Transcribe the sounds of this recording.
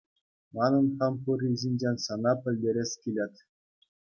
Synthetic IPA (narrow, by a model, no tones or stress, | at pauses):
mɑnɤ̆nχɑmpurʲizʲinʲd͡ʑenʲsɑnɑpʲɘ̆lʲdʲeɾʲesʲkʲilʲet̪ʲ